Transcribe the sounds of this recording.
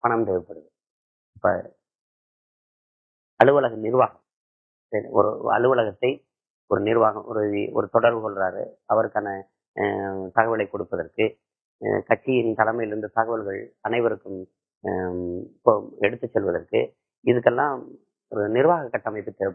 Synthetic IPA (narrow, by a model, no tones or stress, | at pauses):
pɐɳɐmt̪ɛːpːɐɽɯðɯ | ɪpːɐ̰ | ɐɻɯʋɐlɐɣɐnɪɾʋaːɣɐm | sɐɾḭɔ̰ɾɯ̰ɐ̰ɭɯʋɐlɐɣɐt̪ːɐɪ | ɔɾɯnɪɾʋaːɣɐmɔ̰ɾɯɔ̰ɾɯt̪ɔɽɐɾʋɯsɔlraːɾɯ̰ɐʋɐɾɯkːaːnɐ | t̪ɐɣɐʋɪlɐɪkːɔɽɯpːɐðɐɾkɯ | kɐt͡ʃːɪjɪnt̪ɐlɐmɐjɪɾɯnd̪ɯt̪ɐɣɐʋɐlɣɐɭɐnɐɪʋɐɾɯkːɯm | pːoɛɽɯt̪ːɯt͡ʃːɛlʋɐðɐɾkɯ̰ | ɪðɯkːɛlːãː | ɔɾɯnɪɾʋaːɣɐkːɐʈːɐmɐɪpːɯt̪ːɛ